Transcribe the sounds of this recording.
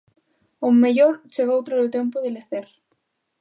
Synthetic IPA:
omːeʝoɾt͡ʃeɣowt̪ɾaðot̪jempoðeleθeɾ

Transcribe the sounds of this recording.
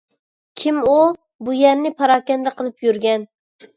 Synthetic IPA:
kʲʰimu | bujɛɾnɪpʰɑɾɑːkʲɛnd̪ɛqʰəlˠɨpjyɾɡʲɛn

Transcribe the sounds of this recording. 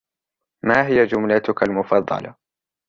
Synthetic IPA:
maːɦɪjad͡ʒʊmlat̪ʊkalmʊfɑd̪ˤːɑ̰lɑ̰

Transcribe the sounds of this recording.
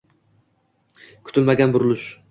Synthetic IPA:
kʰʊ̥t̪ɪlmaɡʲanbʊɾlˠɪʃ

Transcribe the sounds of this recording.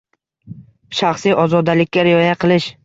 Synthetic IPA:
ʃaχsijʔɒzɒd̪alɪkʲːaɾɪjɒjaqʰɨlˠɪʃ

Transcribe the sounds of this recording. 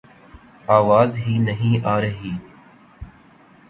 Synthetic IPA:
aːʋaːzɦiːnəɦĩːʔaːɾəɦiː

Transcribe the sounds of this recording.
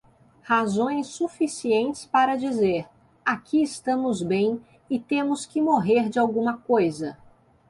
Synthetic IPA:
hazõj̃sːufisiẽnt͡ʃɪ̥spaɾɐd͡ʒizeɾ | akʰiɪst̪ɐ̃mʊzbẽj̃ | ɪt̪ẽmʊskɪmoɦeɾd͡ʒɪawɡũmɐkojzɐ

